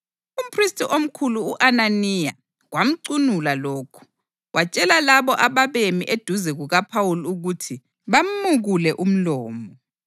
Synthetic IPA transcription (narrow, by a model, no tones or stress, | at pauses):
um̩pʰristʼiʔom̩kʰuluːʔananija̰ | ɣwam̩ǀunulaloːkʰu̥ | wat͡ʃʼɛlalaβɔʔaβaβemiʔed̥ʱuzɛɣuɣapʰawuluɣutʰi | βam̩muɣulɛʔum̩lɔːmɔ